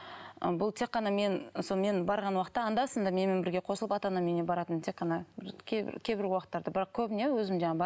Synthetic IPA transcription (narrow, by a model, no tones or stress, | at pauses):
ə̰bʊlˠt̪ʰe̞kqːɑnɑme̞nsome̞nbɑɾʁɑnwɑqə̥t̪ːɑːnd̪ɑsənd̪ɑme̞nmenbɪɾɡʲe̞qʰosəlˠəpɑt̪ɑnɑme̞ne̞bɑɾɑt̪ənt̪ʰe̞qːɑnɑbɪɾkʲʰebɪ̰ɾkʲʰejbɪɾwɑqət̪ːɑɾd̪əbɪɾɑq̚kʲʰɵbɪne̞wɵzɪmʒɑɴɑbɑ